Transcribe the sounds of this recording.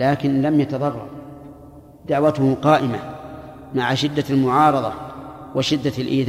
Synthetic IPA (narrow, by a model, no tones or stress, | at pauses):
laːkɪnlamjat̪ɑðˤɑrˤːɑ̰ɾˤ | d̪aʕwat̪ʊhʊqɑːʔɪma | maʕaʃɪd̪ːalmʊʕɑːɾˤɑðˤɑ̰waʃɪd̪ːalʔiːð